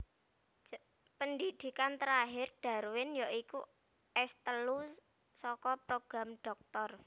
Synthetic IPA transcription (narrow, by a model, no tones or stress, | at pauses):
pənd̪id̪̥i̤kant̪əɾaɦɪrɖ̥a̤ɾwɪnjaʔikṵ | ɛst̪əlu | sɔkɔpɾoɡ̥ɾamɖ̥ɔ̤k̚t̪ɔr